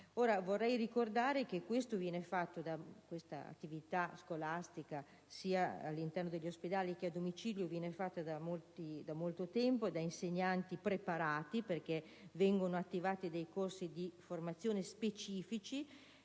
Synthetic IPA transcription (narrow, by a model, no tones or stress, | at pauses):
oːɾavorːɛjrikord̪aːɾekekwest̪ovjɛːnefat̪ːod̪akwest̪a̰a̰t̪ːivit̪askolast̪ika | siːa̰ːlːint̪ɛrnod̪eʎːosped̪aːlik̟ead̪omit͡ʃiːljovjɛːnefat̪ːad̪amolt̪id̪amolt̪ot̪ɛmpoed̪ainseɲːant̪ipɾepaɾaːt̪iperke | vɛŋɡonoat̪ːivaːt̪id̪ejkorsid̪iformat̪sːjoːnespet͡ʃiːfit͡ʃi